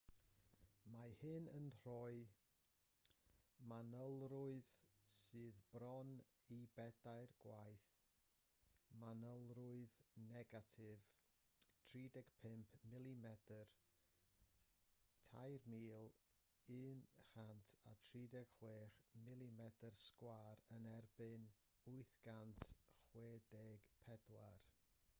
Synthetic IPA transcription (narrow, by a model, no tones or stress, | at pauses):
mahɨnənr̥ɔɨ | manəlˠrʊɨðsɨːðbrɔn | ibɛdaɨrɡ̥wajθ | manəlˠrʊɨðnɛɡatʰɪv | tʰriːdɛɡ̥pʰɪmpʰmɪlˠimɛdər | tʰa̰jrmiːlˠ | ɨːnrantʰa̰tʰriːdɛɡ̥χweːχmɪlˠimɛdərskwaːɾənɛrbɨn | ʊɨθɡ̥antʰχweːdɛɡ̥pʰɛdwa̰r